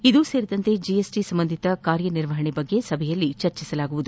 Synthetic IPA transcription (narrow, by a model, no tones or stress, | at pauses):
id̪use̞ːɾid̪ɐnt̪e̞d͡ʒijesʈisɐmbɐnd̪ʱit̪ɐkaːɾjɐniɾʋɐɦɐɳebɐɡːe̞sɐbʱɛjɐlːit͡ʃɐɾt͡ʃisɐlaːɡuʋud̪u